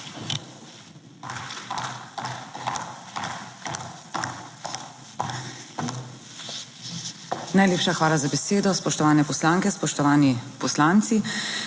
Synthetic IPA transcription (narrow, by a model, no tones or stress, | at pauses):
najleːpʃaxʋaːlazabɛseːd̪ɔspɔʃt̪ɔʋaːnɛpɔslaːŋkɛspɔʃt̪ɔʋaːnipɔslaːnt̪si